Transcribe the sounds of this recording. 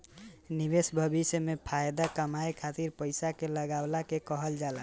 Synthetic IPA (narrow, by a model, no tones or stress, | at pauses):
nibesbʱəbisjəmepʰajd̪akəmajkʰat̪iɾpəjsakeləɡablakekəɦəld͡ʒala